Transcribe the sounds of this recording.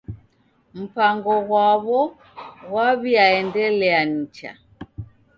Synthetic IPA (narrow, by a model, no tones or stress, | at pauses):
m̩paŋɡɔɣwaβɔ | ɣwaβiaɛndɛlɛan̩t͡ʃa̰